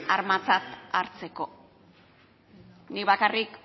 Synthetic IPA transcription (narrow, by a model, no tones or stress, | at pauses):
aɾmat͡sat̪aɾt͡se̞ko̞ | nikβakarik